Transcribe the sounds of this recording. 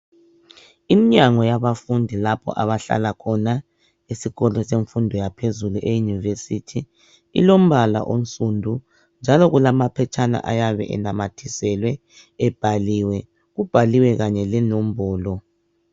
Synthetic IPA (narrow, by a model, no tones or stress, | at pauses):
imiɲaŋɔjaβafundʱilapʰɔ̰ʔa̰βaɬa̰lakʰɔna | isiɣɔlɔseɱfundʱɔjapʰezuluʔejunivesitʰi | ḭlom̩βala̰ʔon̩sʼundʱu | nd͡ʒʱalɔɣulamapʰɛt͡ʃʰʼana̰ʔajaβɛ̰ʔɛ̰namatʰisɛlwɛ | ɛb̥ʱaliwɛ | ɣub̥ʱaliwɛɣaɲɛlɛnom̩bɔːlɔ